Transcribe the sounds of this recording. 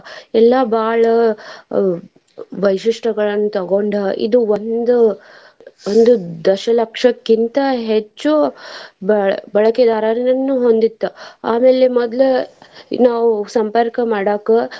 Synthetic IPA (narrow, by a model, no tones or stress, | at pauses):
ɛlːabaːɭɐ | ʋɐjʂiʂʈɐɡɐɭɐnːut̪ɐɡoɳɖɐḭd̪uʋond̪u | ond̪ud̪ɐʃɐlɐkʂɐkːint̪ɐɦet͡ʃːubɐbɐɭɐked̪aːɾaːɾɐnɐnːuɦond̪it̪ːɐaːmeːlemɔd̪lu | naːʋusɐmpɐɾkɐmaːɽaːkɐ